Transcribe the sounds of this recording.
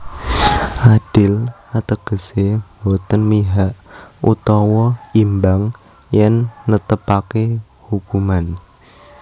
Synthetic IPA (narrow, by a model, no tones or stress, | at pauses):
ʔad̥ɪl | at̪əɡ̥ə̤sembot̪ənmiɦaʔṵt̪ɔwɔimbaŋ | jɛnːət̪əpake | hukuman